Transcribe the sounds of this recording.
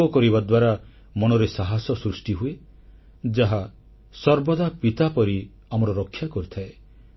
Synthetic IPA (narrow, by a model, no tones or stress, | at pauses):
ɔkɔɾibad̪waɾa | mɔñɔɾesaɦasɔsɾusʈiɦue | d͡ʒaɦa | sɔɾbɔd̪apit̪apɔɾi | amɔɾɔɾɔkʰːjakɔɾit̪ʰae